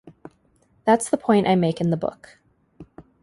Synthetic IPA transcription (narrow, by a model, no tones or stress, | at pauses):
ðætsðəpʰɔ̃ɪ̃ntʔaɪmeɪkɨ̃nðəbʊ̰k